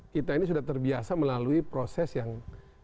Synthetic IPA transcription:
kit̪ainis̬udaht̪ərbiasaməlaluipɾosɛsjaŋ

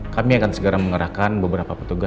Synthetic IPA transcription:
kamiakansəɡəɾaməŋəɾahkanbəbəɾapapət̪uɡa

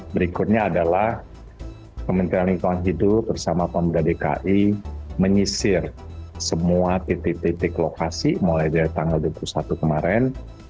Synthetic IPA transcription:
bəɾikʊt̪̚ɲaːdalah | kəmənt̪iɾaniŋk̪uanɦidʊt̪̚bərsamapambɾadeka̰ʔiməɲisɪrsəmuat̪et̪et̪et̪ɛkəlokasimolajdiait̪aŋɡalduapulusat̪ukəmaɾɛn

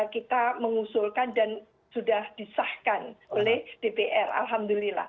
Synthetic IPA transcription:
kit̪aməŋusulkandan | sudahd̥isahkanolɛhd̥epeʔɛra̰lɦamd̪ulila̰h

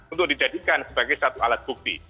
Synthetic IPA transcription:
nt̪ʊk̚did͡ʒadikansəbaɡajsat̪ualat̪̚buk̚t̪ḭ

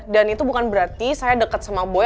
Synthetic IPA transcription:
danit̪ubukanbəɾart̪isajadəkat̪̚səmabo

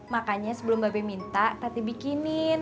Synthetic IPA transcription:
makaɲasəbəlʊmbabajmint̪at̪at̪ibikinɪn

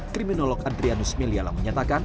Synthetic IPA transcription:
kɾiminolɔkandɾianusmeliala̰məɲat̪akan

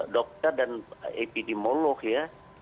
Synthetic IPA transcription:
dɔk̚t̪ərdanepidemolɔkja

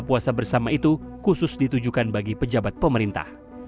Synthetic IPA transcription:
puasabərsamait̪ukusʊsdit̪ud͡ʒukanbaɡipəd͡ʒabat̪̚pəməɾint̪a̰h

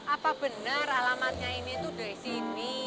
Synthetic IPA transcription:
ʔapab̥ənəɾalamat̪̚ɲainit̪ud̥oisini

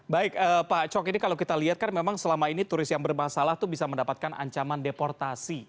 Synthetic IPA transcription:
baɪk̚əːpat͡ʃɔkinikalakit̪aliɦat̪̚kanmemaŋsəlamainit̪uɾɪsjaŋbərmasalaht̪ubisaməndapat̪̚kanʔa̰ɲt͡ʃamandepɔrt̪asi

